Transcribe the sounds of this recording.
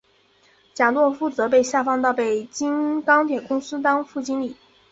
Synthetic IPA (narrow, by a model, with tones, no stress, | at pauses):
t͡ɕja˨˩lwɔ˥˧fu˥˩t͡sɤ˧˥pe˥˧ɪɕja˥˩fɑ˥˧ŋt̪ɑ˥˩ʊpe˥˩ɪt͡ɕi˥nkɑ˥ŋt̪ʰjɛ˨˩kʊ˥ŋsɹ̩˥t̪ɑ˥ŋfu˥˩t͡ɕi˥nli˨˩˦